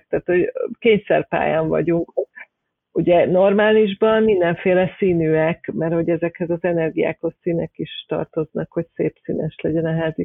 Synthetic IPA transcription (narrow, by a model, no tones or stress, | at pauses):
t̪aːt̪ho̞ɟkeːɲsɛ̰rpa̰ːjɒɱvɒ̰ɟuŋk | uɟɛno̞rmaːliʒbɒnmind̪ɛɱfeːlɛsiːnyːɛkmɛrho̞ɟɛzɛkhɛzɒzɛnɛrɡija̰ːko̞ssiːnɛkiʃt̪ɒ̰rt̪o̞znɒkho̞csḛːpsiːnɛʃlɛɟɛnɛɦaːzi